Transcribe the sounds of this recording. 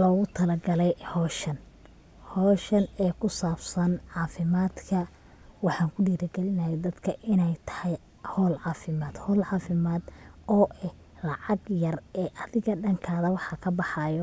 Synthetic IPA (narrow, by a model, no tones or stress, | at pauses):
lɔːɣʊt̪ʰɐlɐɡɐlɛjhɔːʃɐn | hɔːʃɐnɛːkʰʊsaːbsɐnʕɑːfɪmaːd̪kʰɐ | wɑħɑːŋkʰʊɖiːɾɐɡɛlɪnɐjɛd̪ɐd̪kʰɐʔɪnɛjt̪ʰɐ̥hɛj | hɔːlʕɑːfɪmaːd̪̥hɔːlʕɑːfɪmaːd̪ɔːʔɛ | lɑʕɑɡjɐrɛːʔɐðɪɣɐɖɐŋkʰaːðɐwɑħɑkʰɐbɑħɑjɔ